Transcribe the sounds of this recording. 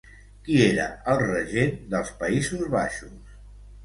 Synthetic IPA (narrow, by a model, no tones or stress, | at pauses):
kieɾə̰əlˠrəʒend̪əlˠspəizuzβa̰ʃus